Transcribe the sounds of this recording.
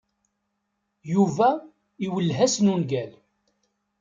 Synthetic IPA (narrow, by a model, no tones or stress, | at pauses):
juvæ | iwəlːɦæsnunɡæl